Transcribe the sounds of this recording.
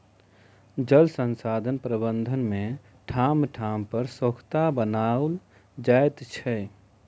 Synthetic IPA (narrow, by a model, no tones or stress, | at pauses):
d͡ʒəlsənsad̪ʱənpɾəbənd̪ʱənmẽ | ʈʰamʈʰampəɾsəkʰt̪abənal | d͡ʒaet̪t͡ʃʰɛ